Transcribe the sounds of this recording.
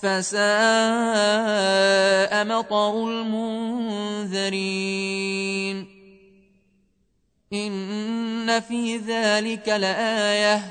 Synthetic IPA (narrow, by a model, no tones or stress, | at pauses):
fasaʔ | ʔamɑt̪ˤɑɾʊlmʊn | ðɪɾi | n | ʔɪnː | afiːðaːlɪkalʔaːja